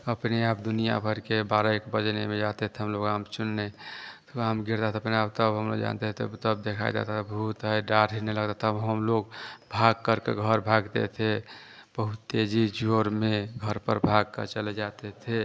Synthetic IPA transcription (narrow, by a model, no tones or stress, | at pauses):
əpneap̚d̪unija̰bʱəɾkebaɾaekbəd͡ʒnemed͡ʒat̪et̪ʰeɦəmloɡamt͡ʃunːet̪amɡiɾd̪at̪ʰeəpneabt̪əbɦəmlo̰ɡd͡ʒa̰nt̪et̪ʰebt̪əb̚d̪ekʰa̰jd͡ʒa̰t̪abɦut̪ɦəjɖaɾɦiɾneləɡt̪at̪əbɦəmloɡbʱaɡ̚kːəɾkḛɡʱəɾbʱaɡt̪ḛt̪ʰe | b̥əɦut̪ːed͡ʒid͡ʒoɾmeɡʱəɾpə̰ɾbʱaɡ̚kə̰ɾt͡ʃəled͡ʒat̪et̪ʰe